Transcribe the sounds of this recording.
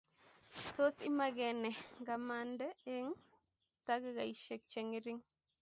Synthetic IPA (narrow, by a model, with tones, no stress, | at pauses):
to˦si˦ma˨ɡɛ˨nɛ˨ɡa˨mandɛ˦e˦ŋ | ta˦ɡi˦ɡa˨i˨ʃe˨k̚t͡ʃe˨ŋi˦ɾi˦ŋ